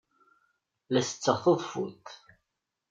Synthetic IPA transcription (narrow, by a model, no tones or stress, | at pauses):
læsə̥t͡sːəθˤəðˤfut̪